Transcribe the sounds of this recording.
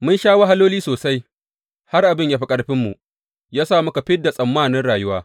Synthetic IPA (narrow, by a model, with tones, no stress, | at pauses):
mʊ˦nʃaː˦wa˦ɦa˦loː˦liː˦soː˨sa˦j | ha˦rʔa˨bɪ˦˨ɲjaː˦ɸi˦kʼɐ˦ɽɸɪ˦mːu˨ | jaː˦saː˦˨mʊ˦ka˨ɸɪ˦dːa˨sʼɐ˨mːaː˦˨nɪ˦nɽaː˨jʊ˦waː˦